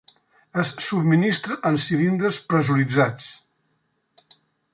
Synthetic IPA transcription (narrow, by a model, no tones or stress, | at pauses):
əsːubminist̪ɾəʔənsiɾind̪ɾəspɾəzuɾid͡zat͡s